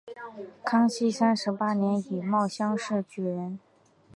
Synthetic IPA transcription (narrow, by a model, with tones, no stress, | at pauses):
kʰɑ˥ŋɕi˥˩sa˥nʂɻ̩˧˥pa˥njɛ˧˥ni˨˩mɑ˥˩ʊɕjɑ˥ŋʂɻ̩˥˩t͡ɕy˨˩ɻə˧˥n